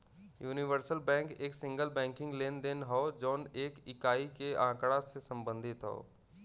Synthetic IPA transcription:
juːnɪʋəɾsəlbɛ̃ːŋkeːksɪ̃ŋɡəlbɛ̃ːŋkɪ̃ŋɡleːnd̪enɦɔːd͡ʒoːneːkɪkaːikeãːkɽasesə̃mbə̃nd̪ʱɪt̪ɦo̰ː

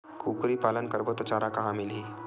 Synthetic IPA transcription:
kuːkɾipaːlənkɐɾbot̪ot͡ʃaːɾakaɦãmɪlɦiː

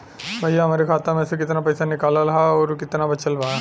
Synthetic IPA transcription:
bɐjaɦɐmaːɾikʰaːt̪ãmẽsekɪt̪napɐjsanɪkaːlalɐɦaɔːɾkɪt̪nabɐt͡ʃəlbaː

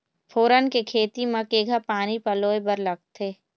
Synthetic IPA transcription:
fʰoːɾənkekʰeːt̪imãkeːɡʱapaːnipɐloːebɐɾlɐɡ̚t̪ʰeː

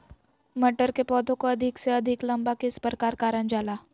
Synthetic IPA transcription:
mɐʈəɾkepɔːd̪ʱõkoɐd̪ʱɪkseɐd̪ʱɪklɐ̃mbakɪspəɾkaːɾkaːɾənd͡ʒaːlaː

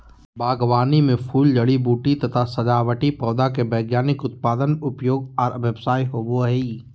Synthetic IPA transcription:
baːɡʋaːnimẽpʰuːld͡ʒɐɽibuːʈit̪ɐt̪ʰasɐd͡ʒaːʋəʈipɔːd̪akebɛːɡjaːnɪkʊt̪̚paːd̪ənʊpjoːɡɔːɾʋjəbsaːiɦoːboɦeiː

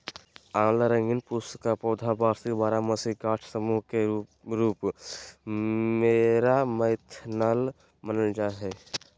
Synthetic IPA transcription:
aːmlaɾə̃ŋɡɪnpʊst̪kapɔːd̪ʱabaːɾsibaːɾaməsiɦkaːʈʰsəmuɦke | ɾuːp | meːɾaməɪt̪ʰnaːl | mənəld͡ʒaɦɛ

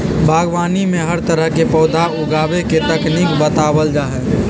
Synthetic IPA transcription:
bʱaːɡʋaːnimẽɦəɾt̪əɾəɦkepɔːd̪ʱaʊɡaːbeket̪ɐknikbət̪aːwəld͡ʒaːɦɛː

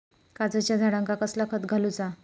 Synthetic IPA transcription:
kad͡zət͡ɕjad̪ʱaɽaŋkakəslakʰət̪ɡʱalut͡sa

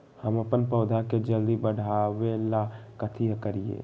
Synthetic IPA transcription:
həməpənpəʊd̪ʱaked͡ʒəld̪ibəɽ̤awelakət̪ʰiəkəɾiḛː

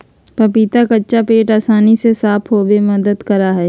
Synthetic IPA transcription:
pɐpiːt̪akɐtːʃapeːʈaːsaːnisesaːpʰɦoːbemɐd̪əd̪kɐɾaɦɛː

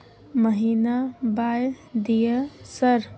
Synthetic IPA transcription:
məɦiːnabaːj | d̪ijəsəɾ

